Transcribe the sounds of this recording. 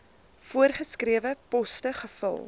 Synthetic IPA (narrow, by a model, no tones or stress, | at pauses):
fuərχəskriəvəpɔstəχəfə̰lˠ